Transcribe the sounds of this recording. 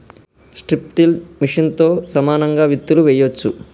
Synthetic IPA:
sʈɾip̚ʈ̪ilmiʂɐnt̪o̞ːsɐmaːnɐŋɡaːʋit̪ːuluʋɛːjot͡ʃːu

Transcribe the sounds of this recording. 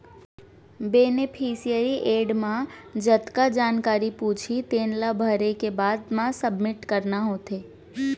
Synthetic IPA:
beːnɪpʰiːsijəɾiʔeːɖmãd͡ʒət̪kad͡ʒaːnkaːɾipuːt͡ʃʰit̪eːnlabʱəɾekebaːd̪mãsəbmɪʈkəɾnaɦoːt̪eː

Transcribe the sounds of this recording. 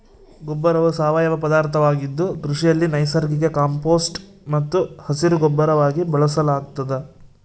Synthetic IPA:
ɡɔbːɐɾɐʋusaːʋajɐʋɐpɐd̪aːɾt̪ʰɐʋaːɡid̪ːukɾuʂijɐlːinɐjsɐɾɡiɡe̞kaːmpo̞ːsʈ | mɐt̪ːuhɐsiɾuɡɔbːɐɾɐʋaːɡibɐɭɐsɐlaːɡ̚t̪ɐd̪e

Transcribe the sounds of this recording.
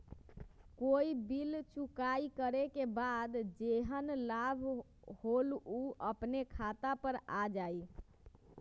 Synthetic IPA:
koibilt͡ʃukajkəɾekebad̪d͡ʒeɦənlabʱ | holuəpnekʰat̪apəɾad͡ʒaj

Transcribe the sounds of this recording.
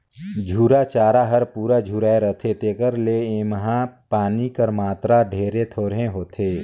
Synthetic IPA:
d͡ʒʱuːɾat͡ʃaːɾaɦəɾpuːɾad͡ʒʱuːɾaːeɾət̪ʰet̪eːkəɾleemɦãpaːnikəɾmaːt̪ɾaɖʱeːɾet̪ʰoːɾɦẽɦoːt̪ʰeː

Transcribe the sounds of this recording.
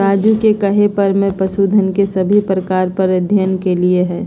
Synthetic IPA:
aːd͡ʒukekɐɦepɐɾmẽpɾɐsuːd̪ʱənkesɐbʱipɾəkaːɾpɐɾɐd̪ʱjənkelieɦɛ̃ː

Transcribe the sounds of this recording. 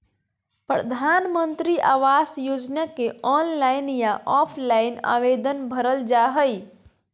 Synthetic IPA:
pɾə̰d̪ʱanmənt̪ɾiʔaʋasjod͡ʒnakeɔnlaɪnjaʔɔpʰlaɪna̰ʋed̪ənbʱəɾəld͡ʒaɦəj

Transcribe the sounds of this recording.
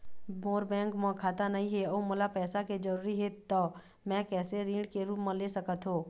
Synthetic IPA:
boːɾbɛ̃ːŋkmɔ̃kʰaːt̪anɐɦĩɦeoːmʊlapɛːsaked͡ʒəɾuːɾiɦɛt̪ɔ | mɛ̃kɛːseɾĩːɳɖkeɾuːpmẽlesəkət̪ɦoː

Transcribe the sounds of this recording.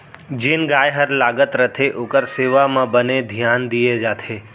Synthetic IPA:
d͡ʒenɡaːjɦəɾlaːɡət̪ɾət̪ʰeʔokəɾseʋamãbəned̪ʱjaːnd̪ied͡ʒaːt̪ʰe

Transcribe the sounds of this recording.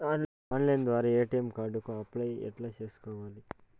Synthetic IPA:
aː | aːnlɐjnd̪ʋaːɾaːeːʈijemkaːɖukuɐplɐjɛ̰ʈlaːt͡ʃeːsu̥kɔːʋaːli

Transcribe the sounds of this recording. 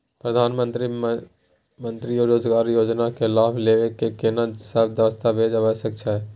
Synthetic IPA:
pɾəd̪ʱaːnmə̃nt̪ɾi | mə̃nt̪ɾioːɾoːd͡ʒɡaːɾjoːd͡ʒnakʰelaːbʰleʋekekenasəbd̪jəʋəst̪ʰabʱeːd͡ʒəʋəʃək̚t͡ʃʰaɦɛ

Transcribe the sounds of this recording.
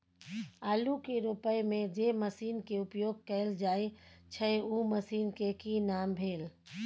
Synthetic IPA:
aːlukeɾʊpəjmẽd͡ʒeməsiːnkeʊpjoːɡ̚kɛɪld͡ʒaːet͡ʃʰəuːməsiːnkekinaːmbʱeːl

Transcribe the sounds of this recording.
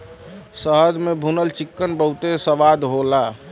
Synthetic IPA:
səɦəd͡ʒmebʱunəlt͡ʃikːənbəut̪esəʋad̪ɦola

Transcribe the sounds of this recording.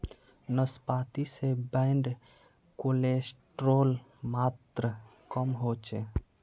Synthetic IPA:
nəspaːt̪isebəɪɳɖ | kolesʈɾoːlmaːt̪ɾə | kəmɦot͡ʃe

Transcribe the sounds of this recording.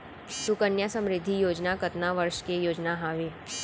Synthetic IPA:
sʊkənjasəmɾɪd̪ʱːijoːd͡ʒnakət̪naʋəɾʃkejoːd͡ʒnaɦaːʋe

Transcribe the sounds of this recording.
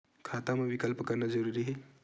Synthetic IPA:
kʰaːt̪amewikəlpkəɾnad͡ʒəɾuɾiɦe

